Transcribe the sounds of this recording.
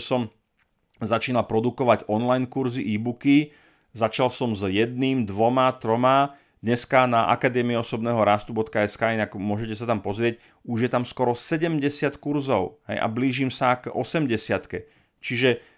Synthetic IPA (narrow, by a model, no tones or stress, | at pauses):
sɔm | zat͡ʃiːnalpɾɔd̪ukɔʋaɟɔnlajnkuɾziʔiːbuki | zat͡ʃalsɔmzjɛd̪niːmd̪ʋɔmat̪ɾɔma | d̪ɲɛskanaʔa̰kad̪ɛːmiiɔsɔbnɛːɦɔɾaːst̪ubɔt̪kaɛskaːinakmʊɔʒɛcɛsat̪ampɔzɾɪɛc | uʒjɛt̪amskɔɾɔsɛɟɛmɟɛsɪat̪kuɾzɔʊɦɛ̰jʔa̰bliːʒimsaɡɔ̰sɛmɟɛsɪat̪kɛ | t͡ʃiʒɛ